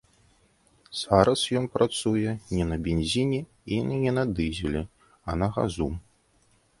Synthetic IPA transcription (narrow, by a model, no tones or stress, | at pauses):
z̥aɾɐsjɔnpɾat̪sujɛnʲɛnɐbʲenʲzʲinʲɛ | inɨnʲɛnɐd̪ɨzʲɛlʲɛ | ɐnɐɣa̰zu